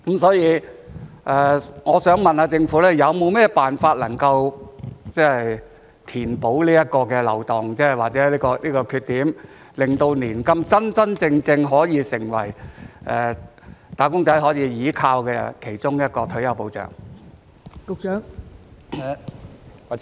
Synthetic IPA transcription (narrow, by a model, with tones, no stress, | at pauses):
kmsɔː˨˥jiː˨˧ | ʔɛː˨˧ŋɔː˨˧sœː˨˥ŋmɐ˨naː˨˧t͡sɪ˧ŋfu˨˥lɛː˥jɐ˨˧wmo˨˧wmɛː˥paː˨nfaː˧t̚lɐ˨˩ŋkɐ˧wt͡sɛː˥hj | t̪ʰiː˨˩npo˨˥wliː˥jɐ˥t̚kɔː˧kɛː˧lɐ̰˨˩wt̪ɔː˨˩ŋt͡sɛː˥˨waː˨t̚t͡sɛ˨˥liː˥kɔː˧liː˥kɔː˧kʰyː˧t̪ːiː˨˥m | lɪ˨˩ŋt̪o˧wniː˨˩nkɐ˧mt͡sɐ˥nt͡sɐ˥nt͡sɪ˧ŋt͡sɪ˧ŋɦɔː˨˥jiː˨˧sɪ˨˩ŋwɐ̰˨˩jʔɛː˨˩t̪aː˨˧kʊ˥ŋt͡sɐ˨˥jɦɔː˨˥jiː˨˧jiː˨˥kʰaː˧wkɛ˧kʰe˨˩jt͡sʊ˥ŋjɐ˥t̚kɔː˧t̪ʰɵ˨˥jɐ˨˧wpo˨˥wt͡sœ̰ː˨˩ŋ | kʊ˨˧k̚t͡ʃœː˨˥ŋ | wa˨